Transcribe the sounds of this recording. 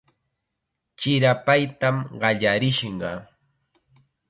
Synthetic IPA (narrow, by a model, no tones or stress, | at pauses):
t͡ʃɪɾapajt̪amɢɑʎaɾɪʃɴɢɑ